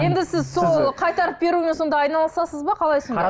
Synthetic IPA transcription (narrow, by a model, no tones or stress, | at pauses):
je̞nd̪ɪsɪzsolˠqʰɑjt̪ɑɾəp̚be̞ɾume̞nso̞nd̪ɑɑjnɑlˠəsɑsəzbɑqʰɑlˠɑjsond̪ɑ